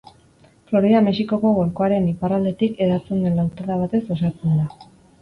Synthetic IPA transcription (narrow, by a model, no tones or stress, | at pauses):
flo̞ɾiame̞siko̞ko̞ɣo̞ɾko̞aɾe̞niparald̪e̞t̪ike̞ɾat͡sund̪enlawt̪oðaβ̞at̪e̞sosat͡send̪a